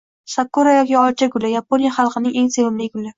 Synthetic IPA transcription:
sakːuɾajɒkʲiɒt͡ʃʰaɡʊlɪjaponjaχɑlˠqɨnɪŋe̞ŋse̞vɪmlɪɡʊlːɪ

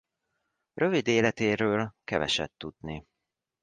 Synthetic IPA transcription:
rʔø̞vid̪eːlɛt̪eːɾøːlkɛvɛ̰ʃɛ̰t̪ːud̪ni

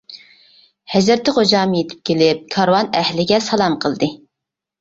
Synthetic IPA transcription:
hɛzɾɾt̪ʰɪχod͡ʒɑːmɨjet̪ʰɪ̥p̚kʲelɪp̚kʰɑɾwɑnɛhlɪɡʲɛsɑlˠɑmqʰəlˠd̪ɨ

